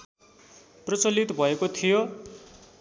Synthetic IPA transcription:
prʌt͡sʌlit̪bʱʌekot̪ʰijo

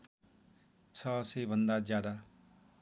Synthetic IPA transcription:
t͡sʰʌsebʱʌnd̪ad͡zjad̪a

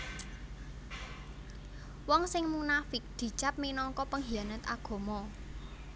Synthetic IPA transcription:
wɔŋsɪŋmunafɪk̚d̪̥i̤t͡ʃap̚minɔŋkɔpəŋɦianət̪a̰ɡ̥o̤mɔ

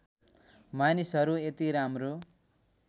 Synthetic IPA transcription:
manisɦʌɾuet̪iɾamro

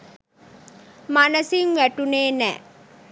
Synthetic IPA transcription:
manɐsiŋʋæʈuneːnɛ̰ː

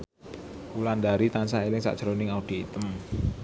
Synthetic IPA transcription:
ulandaɾit̪ansaelɪŋsa̰ʔʒ̥əɾonɪŋaud̥iit̪əm

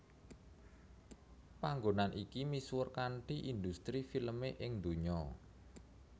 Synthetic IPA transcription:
paŋɡonanʔikimiswʊrkanʈiʔind̪ust̪ɾifiləmeʔɪŋd̪o̤ɲɔ

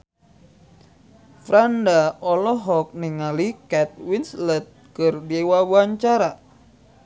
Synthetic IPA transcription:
fɾandaɔlɔɦɔk̚niŋalikɛt̪̚winslət̪̚kɨrdiewawuaɲt͡ʃaɾa

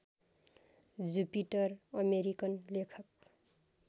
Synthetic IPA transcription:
d͡zupiʈʌrʌmeɾikʌnlekʰʌk̚

